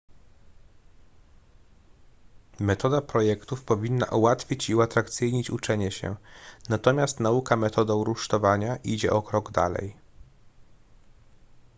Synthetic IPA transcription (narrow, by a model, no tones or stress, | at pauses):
mɛt̪ɔd̪apɾɔjɛkt̪ufpɔvʲinːa̰ʔuwat̪fʲit͡ɕiuat̪ɾakt̪sɘjɲit͡ɕut͡ʂɛɲɛɕɛ̰nat̪ɔmʲjast̪naukamɛt̪ɔd̪ɔ̃wɾuʂt̪ɔvaɲaʔid͡ʑɛ̰ʔɔkɾɔɡd̪a̰lɛ̰j